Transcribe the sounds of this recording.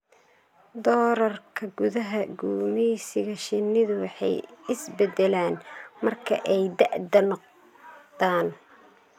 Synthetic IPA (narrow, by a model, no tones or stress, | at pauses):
d̪ɔːɾɐrkʰɐɡʊðɐɦɐɡuːmɛjsɪɣɐʃɪnɪðʊwɑħɑ̰jɪsbɛd̪ɛlaːnmɐrkʰɐ̰ʔɛjd̪ɐʔd̪ɐnq | d̪aːn